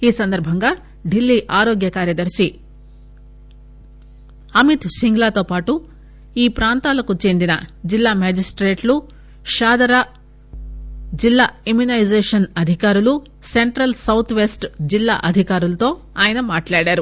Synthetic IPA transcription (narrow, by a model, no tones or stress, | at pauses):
iːsɐnd̪ɐɾbʱɐŋɡaː | ɖilːiʔaːɾoːɡjɐkaːɾjɐd̪ɐɾsi | ɐmit̪siŋɡlaːt̪oːpaːʈu | iːpɾaːnt̪aːlɐkut͡ʃeːnd̪inɐ̰d͡ʒilːaːmaːd͡ʒisʈɾeːʈlu | ʃaːd̪ɐɾa | d͡ʒilːaːemjunɐjd͡ʒeːʂɐnɐd̪ʱikaːɾulu | se̞ɳʈɾɐlsɐwt̪ʰʋe̞ːsʈd͡ʒilːa̰ːʔɐd̪ʱikaːɾulɐt̪o̞ː | aːjɐnɐmaːʈlaːɽaːɾu